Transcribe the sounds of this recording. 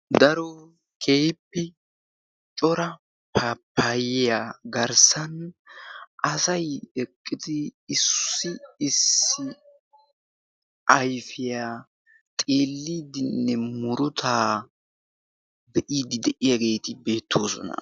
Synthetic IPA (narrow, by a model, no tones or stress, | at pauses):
d̪ɐɾɔ | kʰeːjpːɛ | t͡ʃʼɔɾɐ | pɐpːajɪjaɡɐɾsɐn | ɐsɐjɛkʼːɪd̪ɪːsːɪɪsːɪ | ʔɐjfɪjaː | t̪ʼeːlːiːd̪ɪnːɛmʊɾʊt̪ʰaː | d̪ɛʔiːd̪ɪd̪ɛʔɪjaɡe̞ːt̪ɪbe̞ːt̪ʰːo̞ːsɔ̰nɐ̰